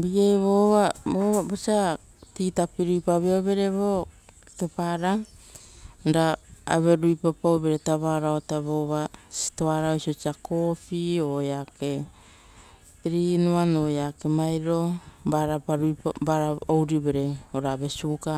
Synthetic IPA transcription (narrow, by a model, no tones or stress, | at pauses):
biɡejβoβaboβabosia | titapiɾujpaβeoβe̞ɾe̞βo | kepaɾa | nɾaa̰βe̞ɾujpapoβe̞ɾetaβaɾaotaβoβasi̥toaɾaosiosiakofiojake̞ | tɾinuanojake̞majɾo̞baɾapaɾupabaɾaowɾiβe̞ɾe̞oɾaːβe̞suka